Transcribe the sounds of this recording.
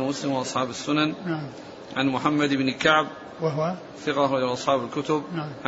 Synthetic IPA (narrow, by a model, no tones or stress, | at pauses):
mʊslɪmwɪʔɑsˤħɑːbasːʊnanna | ʕanmʊħamːad̪ʔɪbnɪkaʕb̚ | θɪqalɪʔɑsˤħɑːbɪlkʊt̪ʊb̚ʕa